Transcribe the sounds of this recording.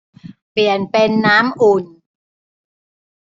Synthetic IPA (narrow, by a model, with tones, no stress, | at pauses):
pi˨˩ənpe˧nːaː˦˥mʔu˨˩n